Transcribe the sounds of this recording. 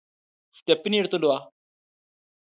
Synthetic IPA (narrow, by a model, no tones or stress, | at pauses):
st̪epniːɽt̪od̪oa